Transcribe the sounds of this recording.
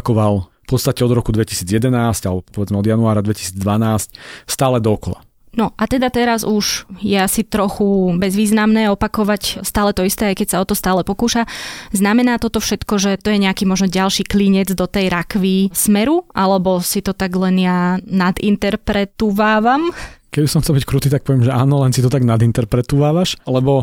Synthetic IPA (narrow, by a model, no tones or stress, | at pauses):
kɔʋalfpɔt̪st̪acɛɔd̪ɾɔkud̪ʋɛci̥siːd͡zjɛd̪ɛnaːscalɛbɔpɔʋɛd͡zmɛɔd̪januaːɾad̪ʋɛci̥siːd͡zd̪ʋanaːsc̚st̪aːlɛd̪ɔːkɔla̰ | nɔʔat̪ɛd̪at̪ɛɾazuʒjɛasit̪ɾɔxubɛzʋiːznamnɛːɔpakɔʋacst̪aːlɛt̪ɔist̪ɛːajkɛcsaɔt̪ɔst̪aːlɛpɔkuːʃaznamɛnaːt̪ɔt̪ɔfʃɛt̪kɔʒɛt̪ɔjɛɲɛakiːmɔʒnɔɟalʃiːkliɲɛd͡zd̪ɔt̪ɛjɾakʋismɛɾuʔalɛbɔsit̪ɔt̪aɡlɛnjanad̪ḭnt̪ɛɾpɾɛt̪uʋaːʋamkɛbisɔmxtt͡sɛlbickɾuːt̪iːt̪ak̚pɔʋjɛmʒɛa̰ːnɔlɛnsit̪ɔt̪aɡnad̪int̪ɛɾpɾɛt̪uːʋaːʋaʃlɛbɔ